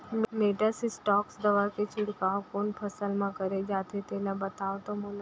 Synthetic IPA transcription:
meʈəsisʈɔksd̪əʋaket͡ʃʰɪɽkaokonpʰəsəlmãkəɾed͡ʒat̪ʰet̪elabət̪aʋt̪omõl

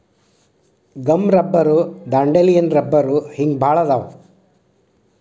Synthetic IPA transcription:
ɡɐmɾɐbːɐɾud̪aːɳɖelijɐnɾɐbːɐɾuhiŋɡbʱaːɭɐd̪aːʋ

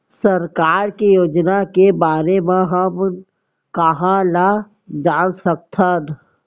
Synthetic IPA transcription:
səɾkaːɾkijoːd͡ʒnakebaːɾemẽɦɐm | kəɦãla | d͡ʒaːnsək̚t̪ʰaən

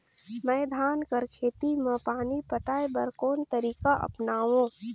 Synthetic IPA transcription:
mɛːd̪ʱaːnkəɾkʰeːt̪imə̃paːnipəʈaːebɐɾkoːnt̪əɾiːkaʔɐ̰pnaːʋõː

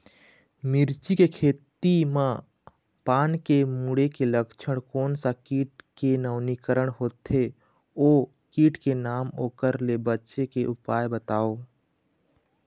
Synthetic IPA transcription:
mɪɾt͡ʃikekʰeːt̪imã | paːnkemuːɽekeləkt͡ʃʰəɽ̃koːnsakiːʈ̚kenəʋnikəɾəɽ̃ɦoːt̪e | oː | kiːʈkenaːmoːkəɾlebətːʃekeʔʊpaːjbət̪aːoː

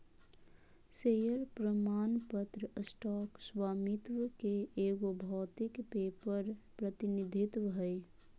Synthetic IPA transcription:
seːjəɾpɾəmaːnpət̪ɾəsʈɔːkswaːmɪt̪ʋəkeeːɡobʱɔːt̪ɪkpeːpəɾpɾət̪ɪnid̪ʱɪt̪wəɦəj

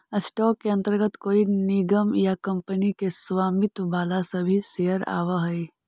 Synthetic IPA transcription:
əsʈɔːkːeɐ̃nt̪əɾɡət̪koːinɪɡəmjakɐ̃mpənikeswaːmɪt̪baːlasɐbʱisejəɾa̰ːʋaɦɛi

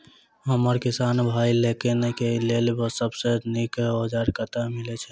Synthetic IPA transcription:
ɦəməɾkisanbʱailekenekelelbəsəbsenikod͡ʒaɾkət̪amilet͡ʃʰɛ

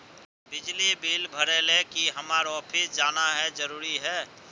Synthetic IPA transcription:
bɪd͡ʒlibiːlbʱəɾelekiɦəmaːɾɔːpʰɪsd͡ʒaːnaɦɛd͡ʒəɾuːɾiɦɛː

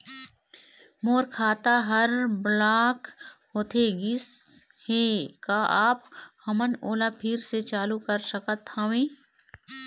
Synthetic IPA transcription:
moːɾkʰaːt̪aɦɐɾblaːkhoːt̪ʰeɡɪs | heːkaʔaːphɐmənoːlapʰɪɾset͡ʃaːlukəɾsəkət̪əʋẽː

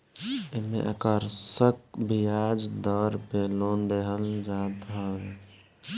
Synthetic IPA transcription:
ɪmḛ̃ʔəkəɾsək̚bijad͡ʒd̪ɔːɾpeloːnd̪eɦəld͡ʒaːt̪ɦɛɛ

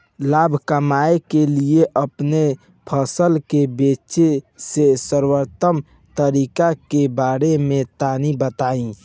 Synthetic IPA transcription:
laːbʱkəmaekelieʔəpne | pʰəsəlkebet͡ʃesesəɾwəɾt̪əm | t̪əɾikakebaːɾemẽt̪anibət̪aːĩ

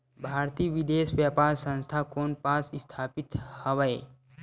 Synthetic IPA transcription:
bʱaːɾt̪iːʋɪd̪eːʃʋjapaːɾsə̃nst̪ʰakoːnpaːsɪst̪ʰaːpɪt̪həʋəe

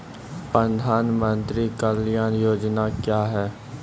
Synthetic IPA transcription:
pɾəd̪ʱaːnmə̃nt̪ɾikəljaːnjoːd͡ʒnakjaːɦɛː

